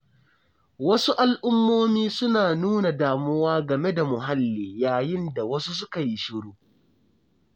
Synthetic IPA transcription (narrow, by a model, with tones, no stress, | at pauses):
wɐ˦su˦ʔa˨lʔʊ˦mːoː˦miː˦sʊ˦naː˨nuː˦na˨daː˨mʊ˦waː˦ɡɐ˨me˦da˨mʊ˨ɦa˦lːiː˨jaː˨jɪ˦nda˨wɐ˦su˦s̬ʊ˦ka˨ji˦ʃɪ˦ɽuː˦